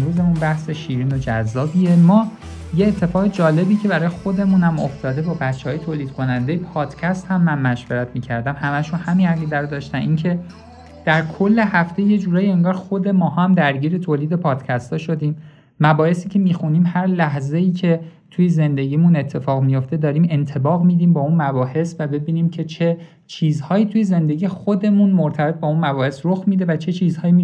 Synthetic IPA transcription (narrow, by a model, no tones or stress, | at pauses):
ɾuːze̞munbæhse̞ʃiːɾiːno̞d͡ʒæzːɒːbiːemɒː | je̞ːt̪ʰːe̞fɒːɣed͡ʒɒːle̞biːcʰe̞bæɾɒːjexod̪e̞munæmo̞̰ft̪ɒːd̪e̞bɒːbæt͡ʃʰːehɒːjet̪ʰoːliːd̪̥̚kʰo̞nænd̪e̞jepʰɒːd̪̥cʰæst̪hæmːænmæʃveɾæt̪ʰmiːcʰæɾd̪æmhæmæʃunhæminhæɡid̪æɾd̪ɒːʃt̪ænʔiːŋcʰe̞ | d̪̥æɾkʰolːe̞hæft̪e̞je̞d͡ʒuːɾɒːjie̞ŋɡɒːɾxo̞d̪e̞mɒːhɒæmd̪æɾɟiːɾe̞t̪ʰoːliːd̪epʰɒːd̪̥cʰæst̪ɒʃo̞d̪iːm | mæbɒːhe̞siːcʲʰe̞miːxuniːmhæɾlæɦzeiːcʰe̞t̪ʰuje̞ze̞nd̪e̞ɟiːmune̞t̪ʰːe̞fɒːɣmijo̞ft̪e̞d̪ɒːɾiːme̞nt̪ʰe̞bɒːɣmiːd̪iːmbɒːunmæbɒːhe̞svæbe̞biːniːmcʰe̞t͡ʃʰe̞ | t͡ʃʰiːzhɒːjiːt̪ʰuje̞ze̞nd̪e̞ɟixod̪e̞munmoɾt̪ʰæbe̞t̪̚bɒunmæbɒːhe̞sɾoxmiːd̪e̞væt͡ʃʰe̞t͡ʃʰiːzhɒːji